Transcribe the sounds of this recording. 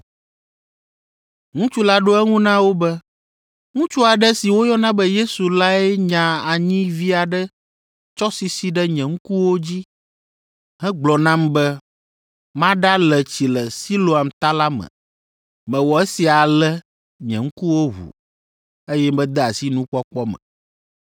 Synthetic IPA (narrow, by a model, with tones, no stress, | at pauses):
ŋũ˦t͡ʃu˦la˦ɖo˦ɛ˦ŋũ˦nã˦wo˦bɛ˦ | ŋũ˦t͡ʃu˦a˨ɖɛ˦si˨wo˦jɔ˦nã˦bɛ˦je˦su˨la˦ɛ˦ɲã˨a˨ɲĩ˦vi˦a˨ɖɛ˦ | t͡ʃɔ˦si˨si˨ɖɛ˦ɲɛ̃˨ŋ̩˦ku˦wo˦d͡ʑi˦ | ɦɛ̃˦ɡ͡blɔ˨nã˦mbɛ˦ | mã˦ɖa˦lɛ˨t͡ɕi˨lɛ˨si˦lo˨a˨mt̪a˦la˦mɛ̰̃˨ | mɛ̃˨wɔ˨ɛ˦si˨a˨lɛ˦ | ɲɛ̰̃˨ŋ̩˦ku˦wo˦ɦṵ˨ | e˦jɛ˦bɛ̃˦d̪ɛ˦a˨si˦nũ˦k͡pɔ˦k͡pɔ˦mɛ̰̃˨